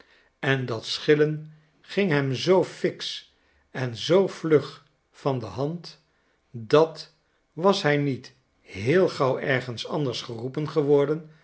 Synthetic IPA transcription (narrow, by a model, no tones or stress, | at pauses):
ɛndɑtsχɪlən | χɪŋɦɛmzowfɪks | ɛnzowvlɵχ | fɑndəɦɑnt | dɑt | ʋɑsɦɛjnit | ɦɪːlˠχɑwʔɛɹχənsɑndəɹsχərupənχəʋɔɹdən